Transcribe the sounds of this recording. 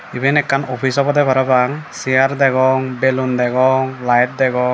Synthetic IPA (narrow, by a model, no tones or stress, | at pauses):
ibinɛkʰːanɔpʰisɔpɔdɛbʱɔɾabaŋsijaɾdɛɡɔŋbelundɛɡɔŋlajt̚dɛɡɔ